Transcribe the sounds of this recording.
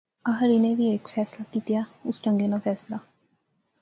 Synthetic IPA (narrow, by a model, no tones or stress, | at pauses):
ɐɦɐɾineʋiekfæːsilɐt̪ːit̪iausʈoŋɡenɐfæːsilɐ